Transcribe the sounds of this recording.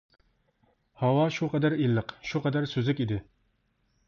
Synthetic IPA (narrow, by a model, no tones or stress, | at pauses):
hɑwɑʃuqʰɛd̪æɾilːɨqʃuqʰɑd̪æɾsøzɪkʲid̪ɪ